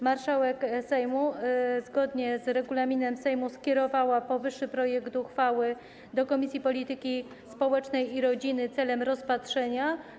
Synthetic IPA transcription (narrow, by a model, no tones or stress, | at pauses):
maɾʂawɛksɛjmuzɡɔd̪ɲɛzɾɛɡulamʲinɛmsɛjmuskʲɛɾɔvawapɔvɘʂːɘpɾɔjɛkt̪uxfawɘ | d̪ɔkɔmʲisʲjipɔlʲit̪ɘkʲi | spɔwɛt͡ʂnɛjiɾɔd͡ʑinɘt̪sɛlɛmɾɔspatʂɛɲa